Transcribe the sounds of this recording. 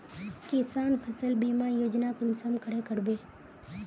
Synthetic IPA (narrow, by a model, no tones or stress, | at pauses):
kɪsaːnpʰəsəlbiːmajoːd͡ʒnakɪnsəmkəɽekəɽbeː